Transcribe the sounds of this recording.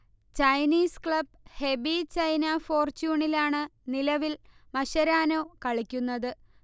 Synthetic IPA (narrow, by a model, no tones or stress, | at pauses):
t͡ɕɐjniːskɭɐb | he̞bit͡ɕɐjnɐfo̞ːrt͡ɕuːɳilaːɳɨnilɐʋilmɐɕɐɾaːnoːkɐɭikʲːunːɐðɨ